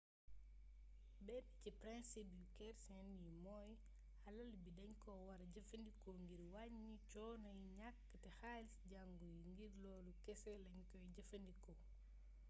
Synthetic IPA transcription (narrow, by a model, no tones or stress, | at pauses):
bɛbicipɾɛnsibukɛɾsɛnjimɔj | hɐlɐlbidɐɲkɔwɐɾɟɐfɐndikɔŋɡiɾwaɲːit͡ʃɔːnɐjɲakːətɛxalisɟaŋɡɔjiŋɡirlɔːlukɛsɛlɐɲkɔjɟɐfɐndikɔ